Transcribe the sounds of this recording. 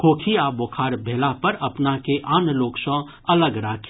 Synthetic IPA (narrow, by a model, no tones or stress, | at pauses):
kʰoːkʰiaːbokʰaːɾbʱeːlapɐɾɐpnakeʔaːnloːkʃɔ̃ | ɐləɡɾaːkʰ